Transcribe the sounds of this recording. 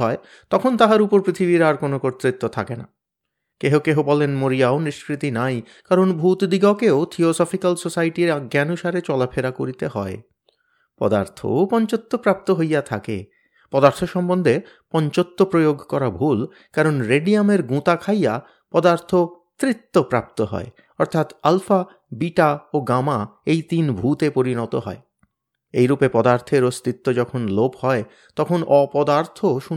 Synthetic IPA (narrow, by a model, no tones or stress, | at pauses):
ɔe | t̪ɔkʰont̪aɦaɾupoɾpɾit̪ʰibiɾaɾkonokoɾt̪ɾit̪ːot̪ʰakena̰ | keɦokeɦobɔlenmoɾijaoniʃkɾit̪inaj | kaɾonbʱut̪d̪iɡokeot̪ʰiosɔfikalsosajʈiɾaɡːaanuʃaɾet͡ɕɔlapʰeɾakoɾit̪eɦɔe | pɔ̰d̪a̰ɾt̪ʰo̰pɔnt͡ɕot̪ːopɾap̚t̪oɦojat̪ʰa̰kḛ | pɔd̪aɾt̪ʰoʃɔmbond̪ʱe | pɔɲt͡ɕot̪ːopɾojoɡʱkɔɾabʱul | kaɾonɾeɖiameɾɡũt̪akʰaja | pɔd̪aɾt̪ʰo | t̪ɾit̪ːopɾap̚t̪oɦɔ̰e | ɔɾt̪ʰat̪alfa | biʈaoɡamaejt̪inbʱut̪epoɾinɔt̪oɦɔ̰e | ḛjɾupepɔd̪aɾt̪ʰeɾost̪it̪ːod͡ʑɔkʰonlophɔe | t̪ɔkʰonɔpɔd̪aɾt̪ʰoʃu